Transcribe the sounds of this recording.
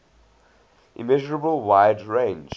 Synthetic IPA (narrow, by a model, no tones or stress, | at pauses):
ʔḭmɛʒɔɹəbəlˠwaɪdɹẽnd͡ʒ